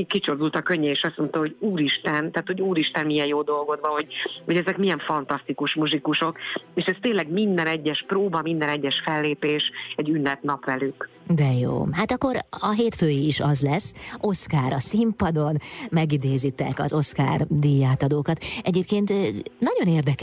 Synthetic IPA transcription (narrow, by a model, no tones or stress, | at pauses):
ikːit͡ʃord̪ult̪ɒkøɲːɛeːʃɒsmo̞nt̪ɒho̞ɟuːɾiʃt̪ɛnt̪aːt̪ho̞ɟuːɾiʃt̪ɛnmijɛjjoːd̪o̞lɡo̞d̪vɒho̞ɟho̞ɟɛzɛkmijɛɱfɒnt̪ɒst̪ikuʃmuzikuʃo̞keːʃɛst̪eːnlɛɡmind̪ɛnɛɟːɛʃproːbɒmind̪ɛnɛɟːɛʃfɛlːeːpeːʃɛɟːynːɛt̪nɒpʋɛlyk | d̪ɛjo̰ːhaːt̪ɒkːo̞ɾɒɦeːt̪føːjiiʃɒzlɛsːo̞skaːɾɒsimpɒd̪o̞nmɛɡid̪eːzit̪ɛkɒ̰zo̞ska̰ːrd̪ijaːt̪ɒd̪oːkɒt̪ɛɟeːp̚keːnt̪nɒɟo̞neːrd̪ɛk